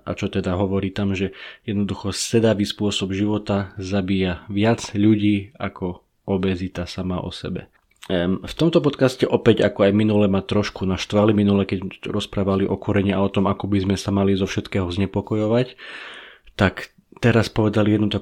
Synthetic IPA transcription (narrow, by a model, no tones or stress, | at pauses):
ʔa̰t͡ʃɔt̪ɛd̪aɦɔʋɔɾiːt̪amʒɛjɛd̪nɔd̪uxɔsɛd̪aʋiːspʊɔsɔbʒiʋɔt̪azabiːjaʋɪad͡zʎuɟiːa̰kʰɔ | ɔbɛzit̪asamaʔɔ̰sɛ̰bɛ̰ | ft̪ɔmt̪ɔpɔt̪kascɛʔɔpɛɟakɔajminulɛmat̪ɾɔʃkunaʃt̪ʋaliminulɛkɛɟɾɔspɾaːʋaliʔɔkɔɾɛɲiaɔt̪ɔmakɔbizmɛsamalizɔfʃɛt̪kɛːɦɔzɲɛpɔkɔjɔʋac | t̪ak | t̪ɛɾaspɔʋɛd̪alijɛd̪nut̪ak